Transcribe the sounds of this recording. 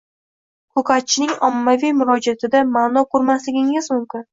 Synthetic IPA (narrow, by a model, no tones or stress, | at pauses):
kʰʊkʰat̪̚t͡ʃʰːɪnɪŋɒmːavijmʊɾɒd͡ʒiat̪ʰɪd̪amaːnɒqʰʊɾmaslɪɡʲɪŋɪzmʊmkʲɪn